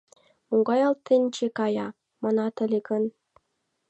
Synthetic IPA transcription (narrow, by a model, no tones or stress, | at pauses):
muŋɡɑjɑlt̪ːent͡ɕekɑjɑ | mɑnɑt̪ə̆lʲeɡən